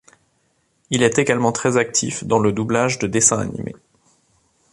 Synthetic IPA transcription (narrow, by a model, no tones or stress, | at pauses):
ilɛt̪eɡalmɑ̃t̪χɛzak̚t̪ʰḭfd̪ɑ̃ləd̪ublaʒd̪əd̪esɛ̃a̰nḭmʔḛ